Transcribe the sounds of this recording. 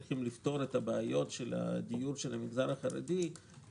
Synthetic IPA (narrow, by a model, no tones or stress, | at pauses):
χimlifto̞ɾetabeajo̞tʃela̰d̪ijuɾʃelhamiɡzanaχaɾḛdi